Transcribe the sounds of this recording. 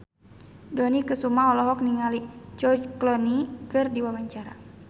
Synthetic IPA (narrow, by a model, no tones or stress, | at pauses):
dɔnikəsumaɔlɔɦɔk̚niŋalit͡ʃɔt͡ʃklɔnikɨrdiwawaɲt͡ʃaɾa